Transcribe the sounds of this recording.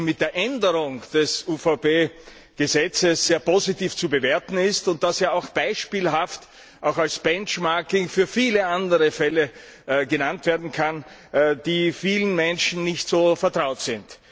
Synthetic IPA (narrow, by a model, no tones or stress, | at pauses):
mɪt̚d̥eːɐʔɛndəʁʊŋd̥ɛsufaʊpeː | ɡ̥əzɛt͡səsz̥eːɐpozitiːft͡subəveɐtn̩ɪstʊnt̚d̥aseːɐaʊxb̥aɪʃpiːlɦaft | ʔaʊxalsb̥ɛnt͡ʃmaɐkɪŋfyːɐfiːləandəʁəfɛlə | ɡənantv̥eːɐdn̩kʰan | d̥iːfiːlənmɛnʃn̩nɪçtsoːfɛɐtʁ̥aʊtsɪnt